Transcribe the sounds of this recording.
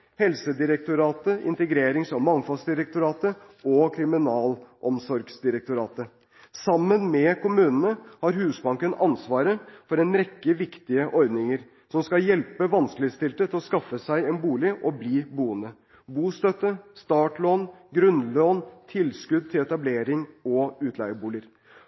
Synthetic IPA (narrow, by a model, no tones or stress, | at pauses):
hɛlsəd̪ɪɾək̚t̪ʊɾɑːt̪əɪ̰nt̪əɡɾeːɾɪŋsɔmːɑŋfɑlsd̪ɪɾək̚t̪ʊɾɑːt̪ə | ɔkʰɾɪmɪnɑːlʔɔmsɔɾɡsd̪ɪɾək̚t̪ʊɾɑːt̪ə | sɑmːənmɛkʊmʉːnənəhɑɾhʉːsbɑŋkənɑnsʋɑːɾəfɔɾɛnɾɛkːəʋɪkt̪ɪəʔɔɾd̪nɪŋəɾ | sɔmskɑjɛlpəʋɑnskəlɪɪst̪ɪlt̪ət̪ʰɪlɔskɑfːəsæɪɛnbuːlɪʔɔbliːbuːənd̪ə | buːst̪œt̪ːəst̪ɑːʈɭoːnɡɾʉnloːnt̪ʰɪlskʉd̪̚t̪ʰɪlɛt̪ɑbleːɾɪŋɔʉːt̪ʰlæɪəbuːlɪəɾ